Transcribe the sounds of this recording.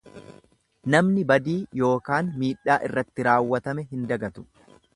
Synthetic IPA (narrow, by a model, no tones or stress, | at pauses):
nɐmnɪbɐd̪iːjo̞ːkaːnmiːᶑːaːʔɪrːɐt̪ːɪɾaːwːɐt̪ɐmɛɦɪnd̪ɐɡɐt̪ʊ̥